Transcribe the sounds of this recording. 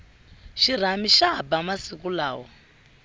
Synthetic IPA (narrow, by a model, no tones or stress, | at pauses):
ʃir̤amiʃabamasikula̰ːwɔ